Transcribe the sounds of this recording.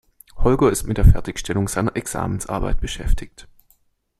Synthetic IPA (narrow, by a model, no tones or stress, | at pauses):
hɔlɡɐɪstmɪtd̥eːɐfɛɐtɪçʃtɛlʊŋz̥aɪnɐʔɛksa̰ːmənsʔa̰ɐba̰ɪt̚b̥əʃɛ̰ftʰɪçt